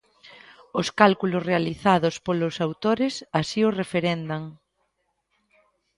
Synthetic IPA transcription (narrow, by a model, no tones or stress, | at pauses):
ʊskalkulʊsrealiθaðʊspolʊsawt̪oɾɪsasiʊrefeɾɛnd̪aŋ